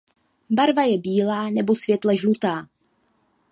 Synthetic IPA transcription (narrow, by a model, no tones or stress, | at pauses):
baɾvajɛbiːlaːnɛbo̞svjɛt̪lɛʒlut̪aː